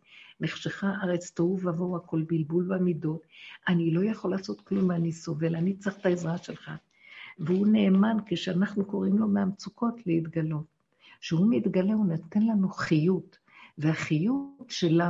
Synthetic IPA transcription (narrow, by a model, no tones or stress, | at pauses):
neχʃeχaʔaʁet͡st̪auvavoako̞lbilbulbamido̞tanilo̞jaχo̞laso̞t̪klumbanisomvelanit͡saχt̪aezʁaʃelχa | veune̞ːmankeʃeanaχnuko̞ʁimlo̞meamt͡sukʰo̞tʰleit̪ɡalo̞t | ʃeɦumit̪ɡale̞unat̪enlanuχijut | veaχijutʃela